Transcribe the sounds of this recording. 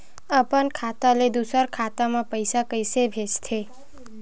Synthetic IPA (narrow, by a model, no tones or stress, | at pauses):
əpənkʰat̪aled̪usəɾkʰat̪amãpəjsakəjsebʱest̪ʰe